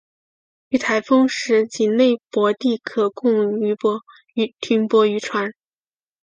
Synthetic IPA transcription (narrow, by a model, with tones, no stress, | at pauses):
y˧˥˩t̪ʰa˧˥ɪfɤ˥ŋʂɻ̩˧˥t͡ɕi˨˩nne˥˩ɪpwɔ˧˥t̪i˥˩kʰɤ˨˩kʊ˥˩ŋ˥y˧˥pɔ˧˥˧ | t̪ʰy˧˥npwɔ˧˥y˧˥ʈ͡ʂʰwa˧˥n